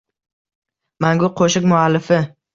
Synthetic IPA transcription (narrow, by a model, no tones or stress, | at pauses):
maŋɡʊqʰoʃɪkmʊalːɪfɪ